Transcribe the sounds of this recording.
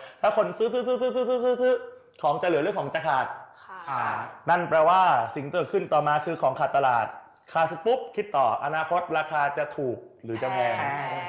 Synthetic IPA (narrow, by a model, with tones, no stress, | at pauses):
pʰɛ˦˥kʰo˧nsɯː˦˥sɯː˦˥sɯː˦˥sɯː˦˥sɯː˦˥sɯː˦˥sɯː˦˥sɯː˦˥ | kʰɔː˩˦ŋt͡ɕa˧˩lɯ˨˦ɾɯ˥˩əŋkʰɔː˩˦t͡ɕa˧kʰaː˨˩t̪̚ʰ | na˥˩npɾɛː˧waː˥˩si˨˩ŋk̪ɤː˨˩t̪̚kʰɯ˥˩nt̪ɔː˨˩maː˧kʰɯː˧kʰɔː˩˦ŋkʰaː˨˩t̪ːa˧laː˨˩t̪̚ | kʰaː˧˩spu˦˥p̚kʰi˦˥t̪ːɔː˨˩ʔa˧naː˧kʰo˦˥t̪̚ɾaː˧kʰaː˧t͡ɕa˨˩t̪ʰuː˨˩k̚ɾɯː˩˦t͡ɕa˨˩wɛː˧ŋ